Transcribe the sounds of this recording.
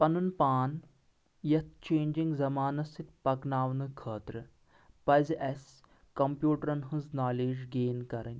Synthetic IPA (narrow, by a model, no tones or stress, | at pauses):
pɐnunpaːn | jɐt̪̚ʰt͡ʃeːɲd͡ʒiŋɡzɐmaːnɐst̪it̪̚pɐknaːʋnɨkʰəːt̪ɾɨ | pɐzʔes | kɐmpjuːʈɐɾɐnɦɨ̃znaːleːd͡ʒɡeːnkɐɾɐnʲ